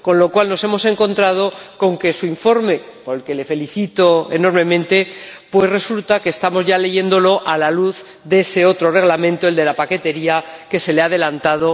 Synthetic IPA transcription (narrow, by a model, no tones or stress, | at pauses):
ko̞nlo̞kwalno̞se̞mo̞se̞ŋkõ̞nt̪ɾað̞o̞ko̞ŋke̞suiɱfo̞ɾme̞poɾelke̞le̞fe̞liθit̪o̞ḛno̞ɾmẽ̞mẽnt̪e̞pwe̞sre̞sult̪akeːst̪amo̞zʝale̞ʝe̞nd̪o̞lo̞ʔalaluθ | ðeese̞o̞t̪ɾo̞re̞ɣlamẽnt̪oeld̪e̞lapake̞t̪e̞ɾiake̞se̞leaðe̞lant̪aðo̞